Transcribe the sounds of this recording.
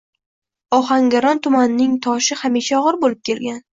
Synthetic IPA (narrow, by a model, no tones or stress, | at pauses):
ɒχaŋɡʲaɾɒnt̪ʰʊmanɪnɪŋt̪ʰɒʃɪhamiʃaɒʁɨɾbolɪp̚kʲe̞lɡʲan